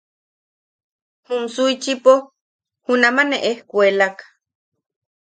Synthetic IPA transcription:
humsujt͡ʃipo | hunamaneʔehkʷelakḁ

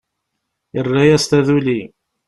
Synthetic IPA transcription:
jərːæjæst̪æðuli

